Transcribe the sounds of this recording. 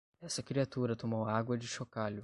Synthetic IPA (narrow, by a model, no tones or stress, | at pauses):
ɛsɐkɾiat̪uɾɐt̪omowaɡwɐd͡ʒɪʃokaʎʊ